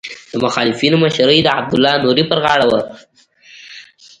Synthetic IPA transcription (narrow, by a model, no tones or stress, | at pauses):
d̪̥əmʊxɑlɪfinomaʃaɾəjd̪əa̰b̚d̪ʊlːɑnuɾipəɾɣɑɽawə